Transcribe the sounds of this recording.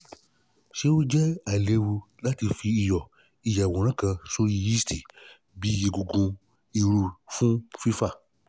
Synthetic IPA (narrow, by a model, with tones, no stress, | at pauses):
ʃe˦wo˦d͡ʒɛ˦a˨le˧wu˧ | la˦ti˧fiː˧jɔ˨ | i˧ja˨wɔ̃˨ɾ̃ã˦kã˧so˦ji˧i˦sti˨ | bi˨˦je˧ɡu˧ɡũ˧ | i˧ɾu˧fũ˦fi˦fa˦˨